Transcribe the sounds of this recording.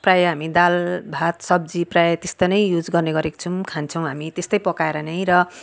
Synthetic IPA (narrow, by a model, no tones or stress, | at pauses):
prajɦamid̪albʱat̪sʌb̚d͡ziprajʌt̪est̪ʌnʌjjud͡zɡʌrneɡʌɾeko̥t͡sʰũkʰant͡sʰʌw̃ɦamit̪est̪ʌjpʌkaeɾʌnʌj̃ɾʌ